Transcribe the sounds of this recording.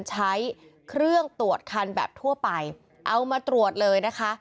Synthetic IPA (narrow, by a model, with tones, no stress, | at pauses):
nt͡ɕʰa˦˥j | kʰɾɯ˥˩əŋt̪u˨˩ət̪̚kʰa˧nbɛ̰ː˨˩p̚t̪ʰu˥˩əpa˧j | ʔa˧wmaː˧t̪ɾu˨˩ət̪̚lɤː˧jna˦˥kʰa˦˥